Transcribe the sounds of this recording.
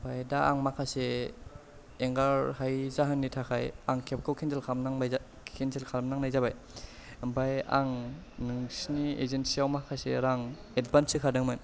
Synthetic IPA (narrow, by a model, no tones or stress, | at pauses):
bajdaʔaŋmakʰase | ŋɡaɾhajzaɦɯnːitʰakʰajaŋkʰep̚kʰɯwkʰenzelkʰamnaŋa | kʰenzelkʰalmnaŋnajzabaj | baja̰ŋ | nɯŋsniḛzensiawmakʰaseɾaŋ | et̚bansɯkʰadɯŋmɯn